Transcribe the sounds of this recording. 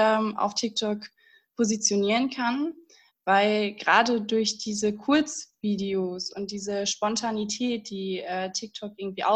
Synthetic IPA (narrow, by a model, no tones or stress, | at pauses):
ɛmʔa̰ʊftʰɪk̚tʰɔk | pʰozit͡sjoniːʁ̞ənkʰan | v̥aɪlɡ̥əʁa̰ːdədʊɐçd̥iːzəkʰʊɐt͡sv̥iːdeosʊnt̚d̥iːzəʃpɔntʰanitʰɛːt̚d̥iːʔɛːtʰɪk̚tʰɔk̚ʔɪɐɡŋ̩tv̥iːʔa̰ʊ